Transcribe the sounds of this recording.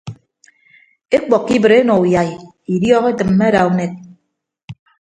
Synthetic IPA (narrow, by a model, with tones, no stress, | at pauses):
e˦k͡pɔ˨kːi˦bɨ˨ɾe˦nɔ˨u˨ja˨i˨ | i˨djɔː˦ɣe˦tɨ˨m̩ː˦e˦ɾa˨u˨˦ne˨t̚